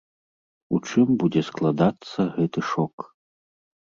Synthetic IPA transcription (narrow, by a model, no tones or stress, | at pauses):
ut͡ʂɨmbud͡zʲɛsklˠad̪at̪sːɐɣɛt̪ɨʂɔk